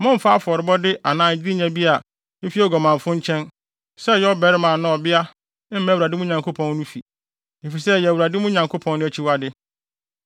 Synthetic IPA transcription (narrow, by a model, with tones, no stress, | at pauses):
mʊ̃˦m̩˦fa˦fʊ˨ɔ˨ɾɪ˨bɔ˦dɪ˦ʔa˨nãː˨˦˨d͡ʑi˦i˦ɲɛ̃˨bi˦a˨˦ | fi˦ɔ˨ɡɔ˨mã˨m˨fʊ̃˦ɲ˦t͡ɕʰɛ̃˦n | sɛ˦˨jɔ˦bɛ˨ɾɪ˦mãː˨nʊ̃˦ɔ˨bɪ˦a˦ | m̩˦mɛ̃˦wu˨ɾa˨dɪ˦mʊ̃˦ɲã˨ŋkʰo˦pʰɔ̃˨˦nː˦ũ˦fi˨ | e˨fi˨s̬ɛ˦jɛ˨wu˨ɾa˨dɪ˦mʊ̃˦ɲã˨ŋkʰo˦pʰɔ̃˦nʊ̃˦æ˨t͡ɕʰi˦wa˦dɪ˦